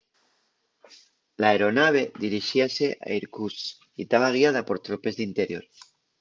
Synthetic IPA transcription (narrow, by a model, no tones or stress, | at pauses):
laeɾo̞naβ̞e̞ðiɾiʃiaseʔa̰iɾkus | it̪aβaɣ̞iað̞apo̞ɾt̪ɾope̞zðint̪eɾjo̞̰ɾ